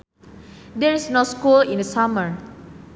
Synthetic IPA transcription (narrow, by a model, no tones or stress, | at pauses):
d̪ɛɹisnoskulĩndəsaməɹ